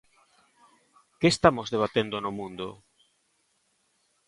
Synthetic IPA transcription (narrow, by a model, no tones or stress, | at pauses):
keːst̪amozðeβ̞at̪end̪onomũnd̪o